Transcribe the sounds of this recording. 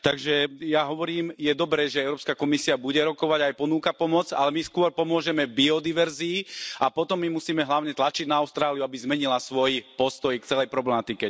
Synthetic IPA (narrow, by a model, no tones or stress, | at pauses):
t̪aɡʒɛjaɦɔʋɔɾiːmjɛd̪ɔbɾɛːʒɛɛʊɾɔːpskakɔmisiabuɟɛɾɔkɔʋaɟajpɔnuːkapɔmɔd͡za̰lɛmiskʊɔɾpɔmʊɔʒɛmɛbiɔd̪iʋɛɾziːapɔt̪ɔmːimusiːmɛɦlaʊɲɛt̪lat͡ʃiɟnaaʊst̪ɾaːlijuabizmɛɲilasʋɔjpɔst̪ɔjkt͡sɛlɛjpɾɔblɛmat̪ikɛ